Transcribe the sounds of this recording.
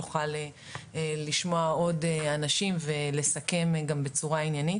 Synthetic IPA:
uχale | eliʃmoao̞deanaʃimvele̞sake̞mɡambet͡suʁainjanit

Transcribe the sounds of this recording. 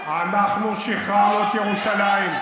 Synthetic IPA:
anaχnuʃiχaot̪jeʁuʃalaim

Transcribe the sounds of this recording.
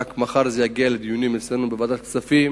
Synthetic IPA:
kmaχaɾzejaɡialed̪ijunimesɾenubevad̪at̪kt͡safim

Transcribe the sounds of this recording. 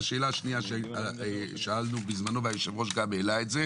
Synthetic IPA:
ʃe̞ːlaʃniaʃeaʃaalnubizmanoveajoʃevʁoʃ̬ɡabelaetze

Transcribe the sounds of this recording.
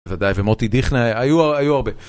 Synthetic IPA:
vad̪ajvemot̪id̪iχnaajuaajuaʁbe

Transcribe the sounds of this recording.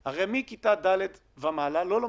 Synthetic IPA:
haʁejmikit̪ad̪aled̪ | vamalalolo

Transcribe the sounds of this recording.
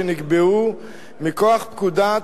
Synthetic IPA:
eniɡbeu | mikoaχp̚kud̪a

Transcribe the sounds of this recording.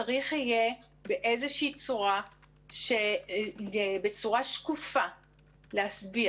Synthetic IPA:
aʁiχije | beʔezeʃiːt͡suʁa | ʃe | ebet͡suʁaʃkufa | leasbi

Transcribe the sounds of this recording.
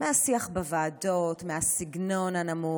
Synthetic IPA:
mehasiaχbavaːd̪otmehasiɡno̞nhanamu

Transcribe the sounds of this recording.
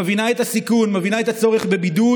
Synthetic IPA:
vinaɛtasikunmavinaɛt̪at͡sɔʁɪχbɪbidu

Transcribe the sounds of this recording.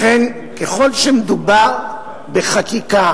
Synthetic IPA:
en | keχo̞lʃemed̪ubaʁ | beχakika

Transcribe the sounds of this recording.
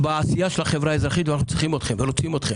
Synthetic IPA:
baːsijaʃelaχevɾaezʁaχit̪vanaχnut͡sʁiχimot̪χemvelot͡simot̪χem

